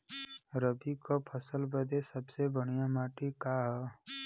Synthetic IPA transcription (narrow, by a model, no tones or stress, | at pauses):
ɾəbikopʰəsəlbəd̪esəbsebəɽ̃ijamaːʈikaːɦɛ